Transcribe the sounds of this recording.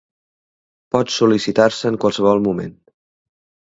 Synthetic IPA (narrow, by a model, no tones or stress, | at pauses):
pɔt̪sulisit̪aɾsəːŋkwalˠsəβɔlˠmumḛn